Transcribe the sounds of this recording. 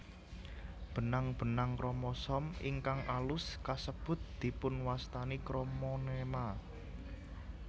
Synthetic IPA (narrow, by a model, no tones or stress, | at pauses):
b̥ə̤naŋb̥ə̤naŋkɾɔmɔsɔmḭŋkaŋʔalʊskasəb̥ʊ̤t̪̚d̪̥i̤pʊnwast̪anikɾomɔnema